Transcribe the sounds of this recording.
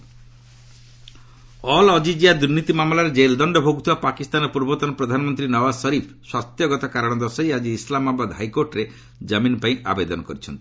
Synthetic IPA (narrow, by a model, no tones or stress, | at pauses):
ɔlɔd͡ʒid͡ʒiad̪uɾnit̪imamlaɾed͡ʒeld̪ɔɳɖɔbʱoɡut̪ʰiwapakist̪anɔpuɾbɔt̪ɔnɔpɾɔd̪ʱanɔmɔnt̪ɾinɔbassɔɾipʰswast̪jɔɡɔt̪ɔkaɾɔɽ̃ɔd̪ɔsɔjad͡ʒiːslamabad̪ɦajkoɾʈɾe | d͡ʒaminɔpaĩa̰bed̪ɔnɔkɔɾit͡ʃʰɔnt̪ii